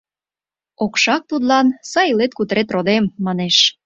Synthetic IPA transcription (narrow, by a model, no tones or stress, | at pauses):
okʃɑk̚t̪ud̪lɑnsɑjlet̪̚kut̪ɾet̪̬rod̪emːɑneʃ